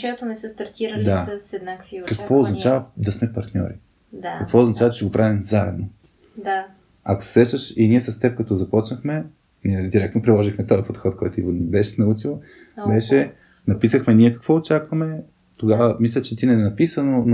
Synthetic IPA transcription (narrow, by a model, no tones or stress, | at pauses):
t͡ʃɛɛt̪onɛsəst̪ɐɾt̪ʲiɾɐld̪aəsɛd̪nakkvikɐkvɔoznɐt͡ʃavɐd̪ɐsmɛpɐɾt̪nʲɔ̰ɾi | d̪akɐkvɔʊznɐt͡ʃavɐt͡ʃɛɡopɾavimzaɛ̰d̪no | d̪a | ɐko̥sɛ̥sɛʃt̪əʃiniɛsɐst̪ɛp̚kɐt̪ɔzɐpɔt͡ʃnəxmɛ | niɛd̪iɾɛk̚t̪nopɾilˠɔʒixmɛt̪ɔjəpot̪xɔt̪̚kɔjt̪ʊinɛbɛʃɛnɐut͡ʃilˠ | bɛʃɛ | nɐpisəxmɛniɛkɐ̥kvɔot͡ʃakvɐmɛ | t̪oɡavəmislʲɛt͡ʃɛt̪inɛnɐpisənon